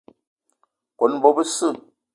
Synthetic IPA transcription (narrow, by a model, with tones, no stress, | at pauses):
ko˨˦n˦bɔ˦bə˦sɨ˦˨